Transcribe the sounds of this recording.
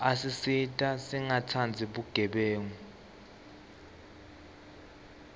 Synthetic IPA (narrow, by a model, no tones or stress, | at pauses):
asisitʼasiŋatʰand͡zʱiɓuɡ̥ʱɛɓeːŋu